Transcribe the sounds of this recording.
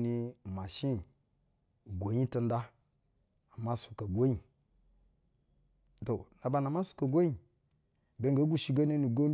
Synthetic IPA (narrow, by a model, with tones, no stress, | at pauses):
ni˨ma˨ʃi˦˨ | ɡʷo˨ɲi˦ta˦n˦da˦ | a˨ma˦su̥˨ka˨ɡʷo˦i˨ | to˨na˨ba˨na˨ma˦su̥˦ka˨ɡʷo˦ɲi˨ | be˨˦ŋɡa˨˦ɡʷu˦ʃi˦ɡa˦na˦ni˨ɡo˦m